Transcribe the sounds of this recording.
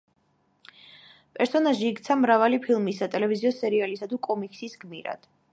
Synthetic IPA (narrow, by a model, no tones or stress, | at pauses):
pʼɛɾsɔnaʒiːkt̪sʰamɾavalipʰilˠmisːat̪ʼɛlɛviziɔsɛɾialisad̪ʰukʼɔmikʼsisɡmiɾa̰d̪̥